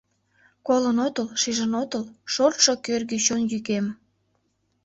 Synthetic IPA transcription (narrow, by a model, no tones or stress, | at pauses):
kolənot̪əlʃiʒənot̪əlʃort̪ʃokørɣet͡ɕonjykem